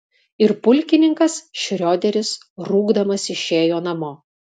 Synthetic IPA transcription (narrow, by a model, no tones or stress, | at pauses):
ɪɾpʊlʲkʲɪnʲɪŋkɐsʃʲɾʲoːd̪ʲɛɾʲɪs | ɾuːɡd̪ɐmɐsɪʃʲeːjoːnɐmoː